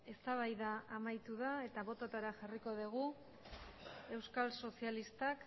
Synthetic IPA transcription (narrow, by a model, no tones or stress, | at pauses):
e̞st̪aβ̞ajðaːmajt̪uðae̞t̪aβo̞t̪ot̪aɾaʝariko̞ðuɣ̞u | e̞wskalso̞sialist̪ak